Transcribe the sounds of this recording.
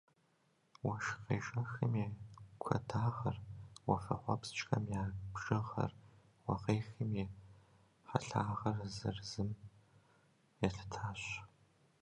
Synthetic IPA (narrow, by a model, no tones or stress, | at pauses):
wɐʃqeːʒɐxɨmeːkʷʰɐ̰dʰaːʁɐrwɐfɐħʷɔpst͡ʃʼxɐmjaːbʒɨʁɐ̰r | wɐʁeːxɨmeː | ħɐ̰ɬaːʁɐrzɨ̰rzɨm | jɛɬʰɨ̥tʰaːɕʷ